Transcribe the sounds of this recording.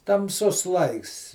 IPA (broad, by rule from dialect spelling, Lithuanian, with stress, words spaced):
tɐmˈsʊs ˈlˠɐɪks